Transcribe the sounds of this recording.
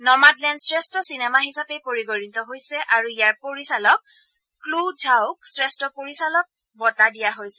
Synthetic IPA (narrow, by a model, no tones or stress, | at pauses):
nɔmadlɛnsɹɛstɔsinɛmaɦisapɛpoɹiɡoɹitɔɦojsɛʔaɹuijaɹpoɹisalɔk̚ː | ludʱawk̚sɹɛstɔpoɹisalɔk̚ | bɔtadijaɦojsɛ̥